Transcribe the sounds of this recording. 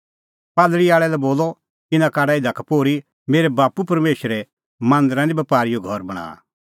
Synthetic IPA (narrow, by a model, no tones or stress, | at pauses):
paːlɽiaːɭɛlɛboːlɔ | ɪnakaːɽaɪd̪akapoːɾi | meːɾɛbaːpupɐɾmeːʃəɾɛ | mãːnd̪əɾãɾĩbɐpaːɾijoɡʱɔɾbɐɽ̃a̰ː